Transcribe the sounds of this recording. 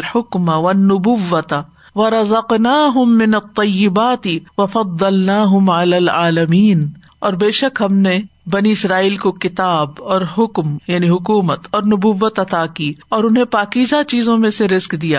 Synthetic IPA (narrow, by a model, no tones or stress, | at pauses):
lħʊkmawɐnːʊbʊʋːɐt̪ | ʋɐɾɐzɐqnaːɦʊmːɪnɐt̪ˤːɑjːɪbaːt̪ɪwɐfɑd̪ˤːɐlnaːɦʊmʕalaːlʕaːlɐmiːn | ɔːɾbeːʃəkɦɐmnebɐniɪsɾaːiːlkokɪt̪aːbɔːɾɦʊkmjaːniɦʊkuːmət̪ɔːɾnʊbʊʋːət̪ɐt̪aːkiːɔːɾʊnɦẽpaːkiːzat͡ʃiːzõmẽseɾɪzkd̪ijaː